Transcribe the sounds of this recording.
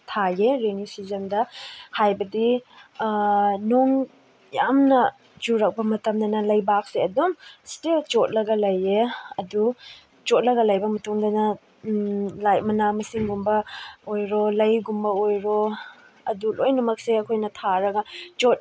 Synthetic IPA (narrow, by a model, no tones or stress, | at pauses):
tʰajeɾenisizɐndɐhajbɐdi | noŋ | jamnɐ | d͡ʒuɾɐk̚bɐmɐtɐmd̪ɐnɐlɐjbak̚seɐdumstelt͡ʃot̚lɐɡɐlɐjeɐdu | t͡ʃot̚lɐɡɐlɐjbɐmɐtuŋdɐnɐ | lajmɐnamɐsiŋɡumbɐojɾolɐjɡumbɐojɾo | ɐdulʔojnɐmɐk̚seɐkʰojnɐtʰaɾɐɡɐt͡ʃot̚